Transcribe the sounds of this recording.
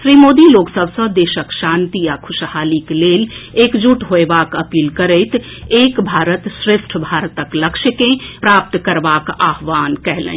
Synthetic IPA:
ʃɾimod̪iloksəbʱsə̃d̪eʃəkʃãnt̪ijakʰʊʃhalikleːlekd͡ʒuʈɦoebakəpiːlkəɾəɪt̪ | ekbʱaɾət̪sɾesʈʰbʱaɾt̪əkləkʃəkẽpɾap̚t̪kəɾbakaɦʋankɛɦlə̰̃

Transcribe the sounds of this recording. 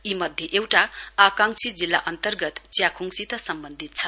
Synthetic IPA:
imʌd̪ʱjeʔewʈaakaŋsid͡zilːa̰ʔʌnt̪ʌrɡʌt̪t͡sjakʰuŋsit̪ʌsʌmbʌnd̪ʱit̪̚t͡sʰʌ

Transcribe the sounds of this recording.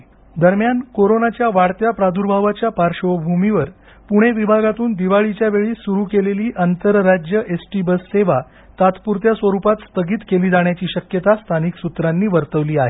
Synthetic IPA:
d̪əɾmjankoɾonat͡ɕjaʋaɽt̪japɾad̪ʱuɾbʱaʋat͡ɕjapaɾʂobʱumiʋəɾ | puɽ̃eʋibʱaɡat̪uːnd̪iʋaɭit͡ɕjaʋeɭiːsuɾukeleliːʔənt̪əɾːad͡ʑjəʔesʈibəsːeʋa | t̪at̪puɾt̪jasʋəɾupat̪st̪əɡiːt̪keliːd͡zaɳ̃jat͡ɕiːɕəkjət̪ast̪ʰaniksut̪ɾanːiːʋəɾt̪əʋliːaɦe

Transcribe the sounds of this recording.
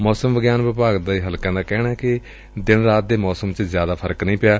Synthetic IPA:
mɔːsəmʋəɡjaːnʋɪpaːɡd̪aːiːɦəlkãːd̪aːkɛːnaːkɪ | d̪ɪnɾaːt̪̚d̪eːmɔːsəmt͡ʃəzjaːd̪aːpʰəɾəknəĩːpɪjaː

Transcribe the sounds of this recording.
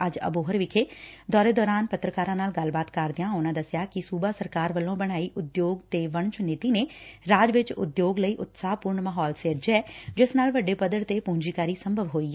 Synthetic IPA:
əd͡ʒə̰boːɦəɾʋɪkʰeːd̪ɔːɾeːd̪ɔːɾaːnpət̪ːɾəkaːɾãːnaːlɡəlbaːt̪kəɾd̪eãːʊnãːd̪əsjaːkɪsuːbaːsəɾkaːɾʋəlːõːbəɽ̃aːiːʔʊd̪joːɡt̪eːʋəɳt͡ʃʊnɪːt̪iːneːɾaːd͡ʒʋɪt͡ʃʊ̰d̪joːɡləiːʔʊt̪saːpʊɾɳmaːɦɔːlseːɾd͡ʒɛːd͡ʒɪsnaːlʋəɖeːpəd̪əɽt̪eːpũːɲd͡ʒiːkaːɾiːsəmbʱəʋɦoːiː

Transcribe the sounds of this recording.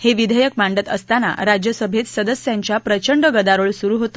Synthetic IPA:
heʋid̪ʱəjəkmaɳɖət̪əst̪ana̰ɾad͡ʑjəsəbʱet̪səd̪əsjaɲt͡ɕjapɾət͡ɕəɳɖəɡəd̪aɾoɭsuɾuːɦot̪ə̥

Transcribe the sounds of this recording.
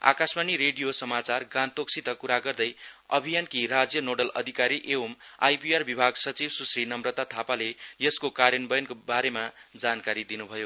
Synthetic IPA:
a̰kasmaniɾeɖijosʌmat͡sarɡãnt̪ok̚sʰit̪ʌkuɾaɡʌrd̪ʌjʌ̰bʱijankiɾad͡zjʌnoɖʌlʌ̰d̪ʱikaɾiʔewoma̰jpiarbibʱaɡsʌt͡sibsusrinʌmrʌt̪at̪ʰapalejʌskokaɾjʌnbʌjʌnkobaɾemad͡zankaɾid̪inubʱʌjo

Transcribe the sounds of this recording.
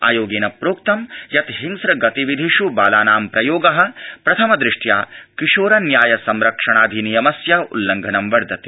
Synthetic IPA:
a̰ːjoːɡeːnɐpɾoːk̚t̪ɐmjɐt̪ɦiŋsɾɐɡɐt̪iʋid̪ʱiʃubaːlaːnaːmpɾɐjoːɡɐɦɐ̆pɾɐt̪ʰɐmɐd̪ɾɪʂʈjaːkiʂoːɾɐnjaːjɐsɐmɾɐkʂɐɳ̃aːd̪ʱinijɐmɐsjaṵlːɐŋɡʱɐnɐmʋɐɾd̪ʱɐt̪i̥

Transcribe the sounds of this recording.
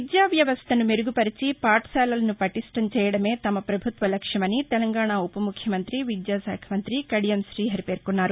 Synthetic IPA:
d̪jaːʋjɐʋɐst̪ɐnumeɾuɡupɐɾit͡ʃipaːʈsɛːlɐlɐnupɐʈiʂʈɐmt͡ʃɛːjɐɽɐme̞ːt̪ɐmɐpɾɐbʱut̪ʋɐlɐkʂjɐmɐnit̪ɛlɐŋɡaːɳaːupɐmukʰjɐmɐnt̪ɾiʋid̪jaːsɛ̰ːkʰɐmɐnt̪ɾikɐɽijɐmsɾiːɦɐɾipe̞ːɾkunːaːɾu

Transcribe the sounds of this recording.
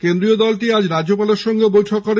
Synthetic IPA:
kend̪ɾiod̪ɔlʈiad͡ʑɾad͡ʑopaleɾʃɔŋɡebojʈʰokːɔɾe

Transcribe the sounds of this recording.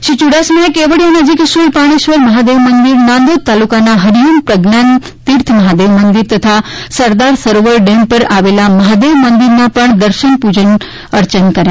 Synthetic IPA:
ʃit͡ɕuɽaːsmẽkeːʋəɽijãnɐd͡ʑikʃolpaːɽ̃iʃʋəɾmɐɦaːd̪eːʋmɐ̃nd̪iɾnãːnd̪oːd̪̚t̪aːlukanãɦɐɾijunpɾɐɡnaːn | t̪iɾt̪ʰmɐɦaːd̪eːʋmɐ̃nd̪iɾt̪ɐt̪ʰasɐɾd̪aːɾsɐɾoʋəɾɖẽːmpɐɾaːʋeːlamɐɦaːd̪eːʋmɐ̃nd̪iɾnãpɐɳ̃d̪ɐɾʃənpud͡ʑən | ɐɾt͡ɕənkɐɾjaː

